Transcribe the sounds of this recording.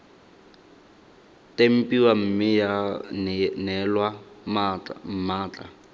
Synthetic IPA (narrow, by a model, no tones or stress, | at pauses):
tem̩pʼiwam̩mɪja | nɛlwa | m̩maːt͡ɬʼa̰